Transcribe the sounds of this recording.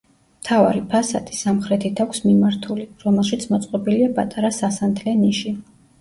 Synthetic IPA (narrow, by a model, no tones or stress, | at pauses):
mt̪ʰava̰ɾipʰasa̰d̪ʰʼi̥samχɾɛt̪ʰit̪ʰakʰʷsmimaɾt̪ʰuliɾɔmɛlˠʃit̪sʰmɔt̪sʼqʼɔbiliapʼat̪ʼaɾasasant̪ʰlɛniʃi